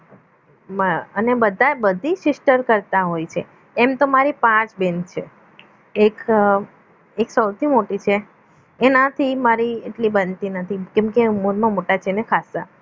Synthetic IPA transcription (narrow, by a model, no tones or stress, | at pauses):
məənebəd̪ʱabəd̪ʱiʃɪsʈəɾkəɾt̪aɦojt͡ʃʰe | emt̪omaɾipãt͡ʃbent͡ʃʰe | ek | eksəwt̪ʰimoʈit͡ʃʰeː | nat̪ʰimaɾieʈlibənt̪inət̪ʰikɛ̃mkemoɾmãmoʈat͡ʃʰenekʰasa